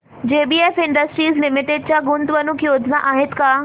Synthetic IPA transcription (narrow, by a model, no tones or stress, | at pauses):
d͡ʑeːbiːeːfɪ̃ɳɖəsʈɾiːzlɪmɪʈɪɖ̚t͡ɕaɡʊ̃nd̪ʋɐnũkijoːd̪ʱnaʔaːɦɪt̪kaː